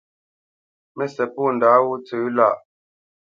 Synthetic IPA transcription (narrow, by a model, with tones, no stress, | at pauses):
mɛ˦sɛ˨puː˦˨n˨daː˨˦wu˦t͡sʉː˨˦la˦˨ʔ